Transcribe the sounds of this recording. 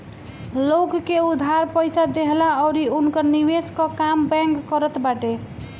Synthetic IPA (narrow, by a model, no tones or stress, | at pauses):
lokkeud̪ʱaɾpəjsad̪eɦlaɔʊɾiunkəɾniweskəkambɛ̃ŋkːəɾət̪baʈe